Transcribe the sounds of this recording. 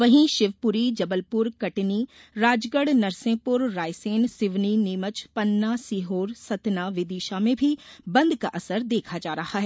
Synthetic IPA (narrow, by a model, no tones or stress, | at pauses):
ʋɐɦĩʃɪʋpʊɾid͡ʒɐbəlpʊɾkɐʈni | ɾaːd͡ʒɡəɽnɐɾsẽːpʊɾːaːjseːnsɪʋniniːmət͡ʃpɐnːasiːɦoːɾsɐt̪naʋɪd̪iːʃamẽbʱibɐ̃nd̪kaʔɐsəɾd̪eːkʰad͡ʒaːɾɐhaɦɛː